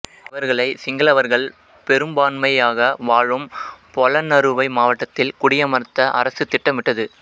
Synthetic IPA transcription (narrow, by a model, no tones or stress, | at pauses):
ɐʋɐɾɣɐɭɐɪsɪŋɡɐɭɐʋɐɾɣɐɭ | pɛɾɯmbaːnmɐɪjaːɣɐʋaːɻɯmpɔlɐnɐɾɯʋɐɪmaːʋɐʈːɐt̪ːɪlkʊɽɪjɐmɐɾt̪ːɐʔɐ̰ɾɐsɯt̪ːɪʈːɐmʋɪʈːɐðɯ